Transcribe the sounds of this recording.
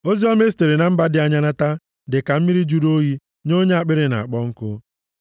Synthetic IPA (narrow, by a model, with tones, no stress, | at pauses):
o˦zi˦ɔ˦me˦ste˨ɾi˨na˨m̩˦ba˦dɪ˦a˦ɲa˦na˦ta˦ | dɪ˨ka˨m̩˦mi˦ɾi˦d͡ʒu˦ɾo˦ɦi˦ | no˦ɲe˦a˦˨k͡pɪ˦ɾɪ˦na̰˨a˨k͡pɔ˦ŋ̩˦kʊ˦